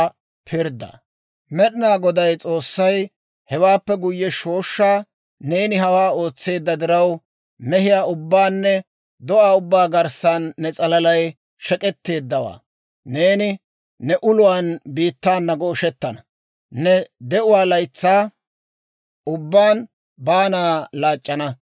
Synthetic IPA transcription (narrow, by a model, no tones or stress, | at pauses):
pʰɪɾd̪ɐ̰ | mɛɗɪnaːɡɔd̪ɐjt͡sʼo̞ːsːɐj | hɛwaːpːɛɡʊjːɛʃo̞ːʃːaː | ne̞ːnɪɦɐwaːo̞ːt͡sːe̞ːd̪ːɐd̪ɪɾɐw | mɛɦɪjaːʊbːaːnːɛ | d̪ɔʔaːʊbːaːɡɐɾsanːɛt͡sʼɐlɐlɐj | ʃɛkʼɛt̪ːe̞ːd̪ːɐwa̰ː | ne̞ːnɪ | nɛʔʊlʊwaːnbiːt̪ːaːnːɐɡɔːʃɛt̪ːɐnɐ | nɛd̪ɛʔʊwaːlɐjt͡sːaː | ʔʊbːaːn | baːnaːlaːt͡ʃʼːɐnɐ